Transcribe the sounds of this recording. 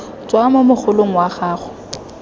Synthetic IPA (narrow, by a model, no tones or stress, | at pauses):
t͡sʼwamomʊχʰʊloŋ̩waχaːχʊ̥